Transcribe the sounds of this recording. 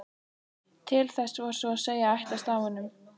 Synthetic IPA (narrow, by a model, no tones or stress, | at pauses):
t̪ʰɪlθɛsvaɾ̥sɔaseːjaajht̪ast̪aːvanːʏm